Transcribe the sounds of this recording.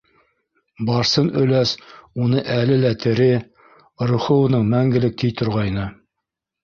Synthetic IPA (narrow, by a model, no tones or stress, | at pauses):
bɑɾsɤnɵ̆læsunɤʔælɘlæt̪ʰɘ̆ɾɘ | ɾŏχɤ̆wɤ̆nɤɴmæŋɡɘ̆lɘk̚t̪ʰijt̪ʰŏɾʁɑjnɤ